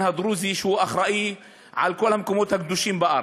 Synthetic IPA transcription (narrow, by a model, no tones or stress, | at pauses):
had̪ɾuːziʃuːʔaxɾˤɑʔi | ʕa̰lkulhamkʊmoːt̪hak̚d̪uʃiːmbɑʔɾ